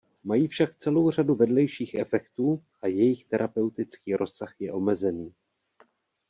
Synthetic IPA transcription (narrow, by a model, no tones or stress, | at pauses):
majiːfʃakt͡sɛlo̞wr̝aduvɛdlɛjʃiːxʔɛfɛkt̪uːʔajɛjɪxt̪ɛɾʔapɛwt̪ɪt͡skiːɾʔo̞saxjɛʔo̞mɛzɛniː